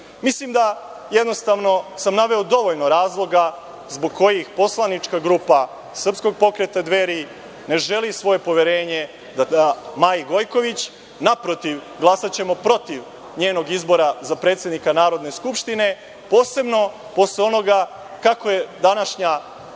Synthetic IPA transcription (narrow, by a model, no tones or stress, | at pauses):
mislimd̪a | jed̪no̞st̪aʋno̞samnaʋe̞od̪o̞ʋo̞ʎno̞ɾaːzlˠo̞ɡa | zbo̞ɡ̚ko̞jixpo̞slˠanit͡ʃkaɡɾuːpa | sr̩psko̞ɡ̚po̞kɾe̞t̪ad̪ʋe̞ɾi | ne̞ʒe̞lisʋo̞je̞po̞ʋjeɾe̞ːɲe̞ | d̪aamajiɡo̞jko̞ʋit͡ɕ | napɾo̞t̪iʋ | ɡlˠasat͡ɕe̞mo̞pɾo̞t̪iʋ | ɲe̞ːno̞ɡizbo̞ɾazapɾe̞ːt̪sjed̪nikanaːɾo̞d̪ne̞skupʃt̪ine̞ | po̞ːse̞bno̞ | po̞sleo̞no̞ɡa | kako̞je̞d̪anaʃɲa